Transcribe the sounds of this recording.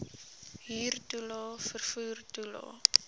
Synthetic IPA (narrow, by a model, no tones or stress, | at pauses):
ɦiːrtulɔːfərfuːrtulɔ̰ː